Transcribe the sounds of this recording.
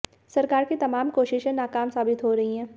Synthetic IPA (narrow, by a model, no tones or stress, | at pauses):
sɐɾkaːɾkit̪ɐmaːmkoːʃɪʃɦɛ̃naːkaːmsaːbɪt̪ɦoɾɐɦiɦɛ̃ː